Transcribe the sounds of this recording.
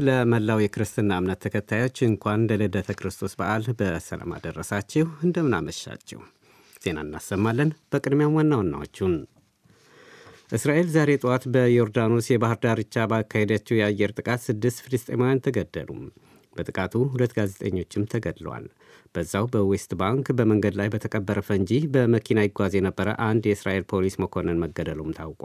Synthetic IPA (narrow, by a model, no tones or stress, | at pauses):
ləməlːawjɛkʰɨɾɨst̪ʰɨnːaɨmnət̪ʰːəkʰət̪ʰːajo̞t͡ʃːɨŋkʷanlələd̪ət̪ʰəkɨɾɨst̪ʰo̞sbaʔalbəsə̰la̰ma̰d̪ərːəsat͡ʃːɛhɨnd̪əmɨna̰məʃːa̰t͡ʃːɛ̰w | z̥e̞na̰ɨnːa̰sːəmːalːənb̥əkʼɨd̪mjamwanːawanːa̰wo̰t͡ʃːun | ʔɨsɾaʔe̞lzaɾe̞t̪ʼwat̪bəjo̞ɾd̪anosjɛbahɨɾd̪aɾɨt͡ʃːabakʰːahed̪at͡ʃːɛwjɛajːɛɾt̪ʼɨkʼat̪sɨd̪ːɨst̪filɨst̪ʼe̞̰majant̪ʰəɡəd̪ːə̰lṵm | bət̪ʼɨkʼat̪ʰuɦulət̪ːɡaze̞t̪ʼəɲːo̞t͡ʃːɪmt̪ʰəɡəd̪lwa̰l | b̥əzːawbəwɛst̪baŋkbəməŋɡəd̪lajbət̪ʰəkʼəbːəɾəfəɨɲd͡ʒihbəməkʰinawiɡʷazjɛnəbːəɾə̰ʔand̪jɛɨsɾa̰ʔe̞lpʰo̞lisməkʰo̞nɨnməɡːəd̪əlumt̪ʰawkʼa̰l